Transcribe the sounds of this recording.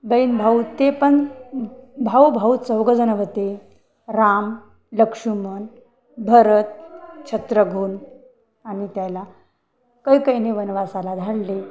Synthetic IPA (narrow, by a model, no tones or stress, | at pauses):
bəjnbʱaut̪ːepəɳ | bʱawbʱaut͡səwɡəd͡zənəʋət̪e | ɾam | ləkʂumən | bʱəɾət̪̚t͡ɕʰət̪ɾəɡʱuːn | añit̪jala | kəjkəjneʋənʋasalad̪ʱaɽle